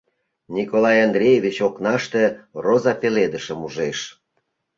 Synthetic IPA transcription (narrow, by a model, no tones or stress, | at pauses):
nʲikolɑjɑnd̪rʲejevʲit͡ɕoknɑʃt̪erozɑpeled̪əʃəmuʒeʃ